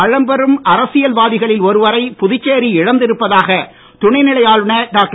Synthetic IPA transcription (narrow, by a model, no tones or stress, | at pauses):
ɐɻɐmbɐɾɯmɐɾɐsɪjɐlʋaːðɪɣɐɭɪlɔɾɯʋɐɾɐɪpʊðɪt͡ʃːeːɾiɪɽɐnd̪ɪɾɯpːɐðaːɣɐ | t̪ʊɳɐɪnɪɭɐjaːɭɯnɐɖaːk̚ʈ